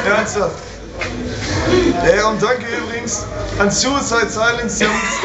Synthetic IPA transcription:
ɛɐnstaft | jaːʊn̚d̥aŋkəyːbʁɪɡŋ̩sʔansuːət͡saɪtsaɪlɪŋsdi

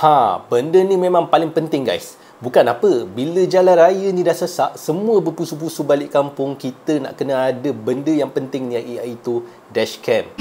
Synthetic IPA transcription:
hãbəndənĩmẽmãŋpalɪŋpənt̪ɪŋɡa̰js | bukanapəbiləd͡ʒalanrajənĩdahsəsaʔsəmũəbəpusup̬usubalɪʔkampʊŋkit̪əna̰ʔkənəadəbəndəjaŋpənt̪ɪŋniaʔiait̪u | dɛʃkɛm

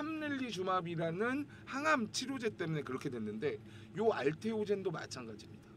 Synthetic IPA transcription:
amnɯʎːit͡ɕumabiɾanɯn | haŋamt͡ɕʰiɾjod͡ʑe̞t͈e̞mune̞kɯɾʌkʰe̞dwenːɯnde̞ | joaɭtʰe̞od͡ʑendoma̰t͡ɕʰanɡad͡ʑimɲid̥a

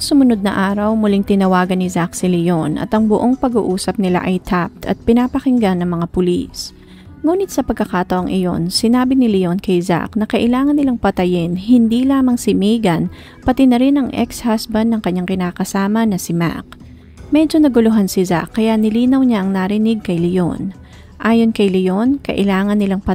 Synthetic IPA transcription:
sʊmʊnod̪̚nɐʔaːɾɐwmʊliŋt̪ɪnɐwaːɡɐnːɪzak̚sɪlɪjonʔɐ̰t̪ɐŋbʊʔo̞ŋpɐɡṵːʔuːsɐp̚nɪla̰ʔɐjt̪ʰap̚t̪ʰɐ̰t̪̚pɪnaːpɐkɪŋɡanːɐŋmɐŋapʊlḭs | ŋuːnɪt̪sɐpɐɡ̚kːɐkaːt̪ɐʔoŋʔɪjo̞̰nsɪnaːbɪnɪlɪjo̞nkɐjza̰knɐkɐʔɪlaːŋɐnːɪlaŋpɐt̪ɐjɪnɦɪnd̪ilaːmɐŋsɪmɛjɡɐn | pɐt̪ɪnɐɾɪnɐŋʔɛ̰kshasbɐnd̪ːɐŋkɐɲːaŋkɪnakɐsaːmɐnɐsɪma̰k̚ | mɛd͡ʒo̞nɐɡʊlʊɦansɪza̰kːɐjaʔnɪliːnɐwɲaʔɐŋnaɾɪnɪɡ̚kɐjlɪʔo̰n | ʔaːjo̞nkɐjlɪjonkɐ̰ʔɪlaːŋɐnːɪlaŋpɐ

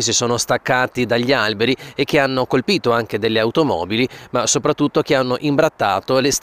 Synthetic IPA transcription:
s̬isoːnost̪akːaːt̪id̪aʎːialbeɾiek̟ːeanːokolpiːt̪oaŋk̟ed̪elːeawt̪omɔ̰ːbilimasopɾat̪ːut̪ːok̟eanːoʔimbɾat̪ːa̰ːt̪oles

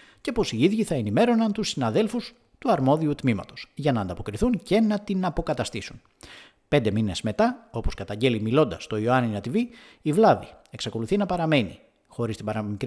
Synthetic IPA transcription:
ce̞po̞siiðʝiθɐe̞nime̞ɾo̞nɐnt̪usːinɐðe̞lfus | t̪uɐɾmo̞ðiut̪mimɐ̰t̪osʝɐnɐːnd̪ɐpo̞kɾiθunce̞nɐt̪inɐpo̞kɐt̪ɐst̪isun | pe̞nd̪e̞mine̞zme̞t̪ɐo̞po̞skɐt̪ɐɲɟe̞limilo̞nd̪ɐst̪o̞ioɐniɐt̪iviː | vlɐði | e̞ksɐko̞luθinɐpɐɾɐme̞nḭ | xo̞ɾist̪ibɐɾɐmikɾ

